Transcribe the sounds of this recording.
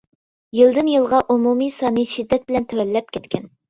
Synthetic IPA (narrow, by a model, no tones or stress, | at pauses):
jilˠd̪ɨnjɨlˠʁɑʔumumisɑnɨʃid̪ːɛt̪̚bɪlɛnt̪ʰɛwɛlːɛp̚kʲʰɛt̪kʲʰɛn